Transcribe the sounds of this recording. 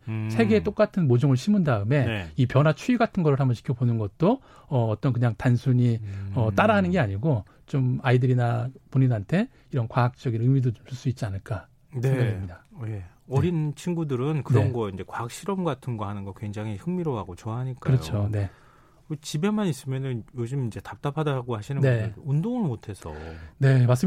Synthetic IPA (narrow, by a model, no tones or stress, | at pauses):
sʰe̞ɡe̞ːt͈ok͈atʰɯnmod͡ʑʌŋɯɭɕʰimundaɯme̞nipjʌnɦat͡ɕʰuiɡatʰɯnɡʌɾɯɭhambʌɕi̥kʰjʌbonɯnɡʌt̚t͈o | ʌʌt͈ʌnk̬ɯɲaŋtansʰuɲiʌt͈aɾaɦanɯnɡe̞aɲiɡo | t͡ɕomaidɯɾinapoɲinɦantʰe̞ | iɾʌnkwaak̚t͡ɕ͈ʌɡinɯmidot͡ɕomt͡ɕuɭs͈uit̚t͡ɕ͈ianɯɭk͈a | nɡʌimɲidaje | ʌɾint͡ɕʰiŋɡudɯɾɯnkɯɾʌnɡʌind͡ʑe̞kwaɦak̚ɕ͈iɾʌmɡatʰɯnɡʌhanɯnɡʌkwe̞ŋd͡ʑaŋihɯŋmiɾoɦaɡot͡ɕʌaɦaɲik͈kɯɾʌjot͡ɕʰone̞ | kɯt͡ɕibe̞manis͈ɯmjʌnɯnjod͡ʑɯmind͡ʑe̞tap̚t͈apʰadaɡohaɕʰinɯnneundoŋɯɭmotʰe̞sʰʌ̰ne̞mas͈ɯ